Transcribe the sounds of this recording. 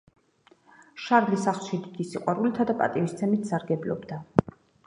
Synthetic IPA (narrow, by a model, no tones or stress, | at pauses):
ʃaɾlisaχlˠʃid̪id̪̥isiqʼwaɾulit̪ʰad̪apʼa̰t̪ʼivist̪sʰɛmit̪ʰsaɾɡɛblɔ̰bd̪a